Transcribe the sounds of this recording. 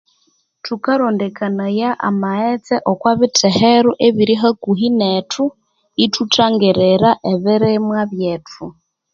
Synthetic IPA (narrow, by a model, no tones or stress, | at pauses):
tukaɾondɛkanajaʔa̰maɛt͡sɛʔokwaβɪtʰɛhɛɾuʔeβiɾiɦakuɦinɛtʰu | itʰutʰaŋɡɛɾɛɾaʔɛβɪɾɪmwaβjɛːtʰu